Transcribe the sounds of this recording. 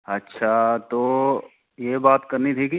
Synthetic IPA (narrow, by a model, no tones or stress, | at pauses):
ɐtːʃʰat̪oː | jebaːt̪kɐɾnit̪ʰiki